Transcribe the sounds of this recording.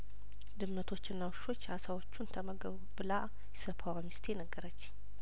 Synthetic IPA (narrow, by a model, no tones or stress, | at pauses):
d̪ɨmːət̪ʰo̞t͡ʃːɪnːawʃo̞t͡ʃːasawo̞t͡ʃːunt̪ʰəməɡəβ | bɨla | jɛsəpʰawamist̪ʰeɛnəɡːəɾət͡ʃː